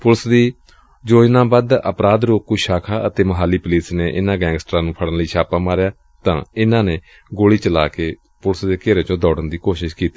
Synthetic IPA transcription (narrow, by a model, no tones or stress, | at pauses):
pʊlsd̪iː | d͡ʒoːd͡ʒnãːbad̪əpɾaːd̪ɾoːkkʊʃaːkʰaːət̪eːməɦaːliːpəliːsneːʔɪnãːɡɛ̃ːŋɡsʈɾãːnũːpʰəɽənləiːʃʰaːpaːmaːɾjaː | t̪ã̰ːɪnãːneː | ɡoːɽiːt͡ʃəlaːkeː | pʊləsd̪eːkeːɾeːt͡ʃõːd̪ɔːɖənd̪iːkoːʃɪʃkiːt̪iː